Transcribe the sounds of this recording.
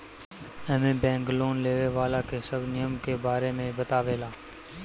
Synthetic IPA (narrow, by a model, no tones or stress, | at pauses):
ɛmẽːbɛ̃ːŋɡloːnleːʋeːʋaːlaːkeːsəɡnɪjəmkeːbaːɾeːmẽːbət̪aːʋeːlaː